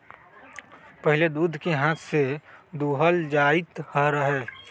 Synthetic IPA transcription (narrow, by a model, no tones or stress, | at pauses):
pəɦɪled̪uːd̪ʱkeɦãːt̪ʰsed̪uːɦəld͡ʒaːɪt̪həɾəɦɛː